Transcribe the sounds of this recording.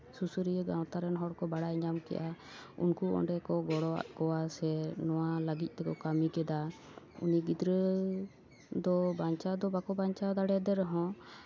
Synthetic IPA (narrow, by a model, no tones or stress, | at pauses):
susuɾijəɡãw̃t̪aɾɛnɦɔɽkɔbaɽajɲamkɛ̰ʔa | ṵnkuɔ̰ɳɖɛkɔɡɔɽɔa̰ʔkɔwasɛnɔwaləɡic̪̚ˀt̪ɛkɔkamikɛd̪a | ṵniɡid̪ɾə | d̪ɔbaɲt͡ʃad̪ɔbakɔbaɲt͡ʃad̪aɽɛd̪ɛɾɛɦɔ̃